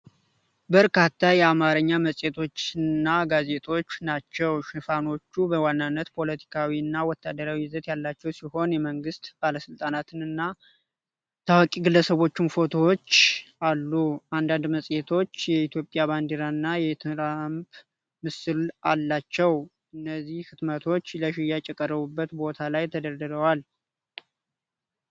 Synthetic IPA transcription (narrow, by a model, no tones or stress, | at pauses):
bəɾkʰat̪ʰːajɛamaɾəɲːaməsʼjet̪ʰo̞t͡ʃːɨnːaɡaze̞t̪ʰo̞t͡ʃːnat͡ʃːɛwʃɪfano̞t͡ʃːubəwanːanːət̪pʰo̞lət̪ʰi̥kʰawiɨnːawɔt̪ʰːad̪əɾawizət̪jalːat͡ʃːɛwsiho̞njɛməŋɡɨst̪b̥aləsɨlt̪ʼanat̪ʰɨnɨnːa | t̪ʰawkʼiɡɨlːəsəβo̞t͡ʃːɪnfo̞t̪ʰo̞wt͡ʃːʔalːuʔand̪and̪məsʼjet̪ʰo̞t͡ʃːjɛit̪ʰjo̞pʼjaβand̪eɾaɨnːajɛt̪ʰɨɾamb | mɨsɨlʔalːat͡ʃːɛw | ʔɨnːəzːihhɨt̪mət̪ʰo̞t͡ʃːləʃɪjat͡ʃʼɛkʼːərəβubːət̪bo̞t̪ʰalajt̪ʰəd̪əɾd̪ɨɾəwal